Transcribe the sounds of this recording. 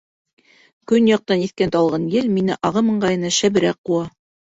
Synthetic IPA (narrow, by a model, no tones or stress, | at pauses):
kɵnjɑq̚t̪ɑniθkænt̪ɑlˠʁɑnjɘlminɘʔɑʁɤmɤ̆ɴɢɑjɤ̆nɑʃæβɘ̆ɾæqːuɑ